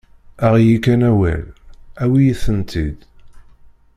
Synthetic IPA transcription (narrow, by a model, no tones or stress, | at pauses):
æʁjikːænæwæ̰læwijiθənt̪ʰid̪